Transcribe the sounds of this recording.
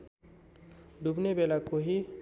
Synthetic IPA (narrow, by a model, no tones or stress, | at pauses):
ɖ̪ubnebelakoɦi